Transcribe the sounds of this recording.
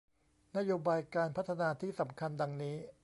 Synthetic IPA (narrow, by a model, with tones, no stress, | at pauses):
na˥joː˧baː˧jkaː˧npʰa˦˥t̪ʰːa˧naː˧t̪ʰiː˥˩sa˩˦mkʰa˧nda˧ŋniː˦˥